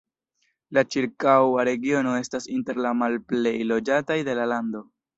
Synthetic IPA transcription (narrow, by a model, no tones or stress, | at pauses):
lat͡ʃiɾkawaɾe̞ɡio̞no̞e̞stasinte̞ɾlamalple̞jlo̞d͡ʒatajde̞lalando̞